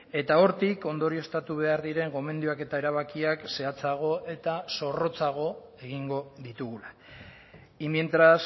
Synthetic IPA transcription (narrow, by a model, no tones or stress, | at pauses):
e̞t̪ao̞ɾt̪iko̞nd̪o̞ɾioe̞st̪at̪uβ̞e̞aɾðiɾe̞ŋɡo̞me̞nd̪juake̞t̪ae̞ɾaβakiakse̞at͡saɣ̞o̞ʔe̞t̪aso̞ro̞t͡saɣ̞o̞ | e̞ɣiŋɡo̞ðit̪uɣula | imjent̪ɾas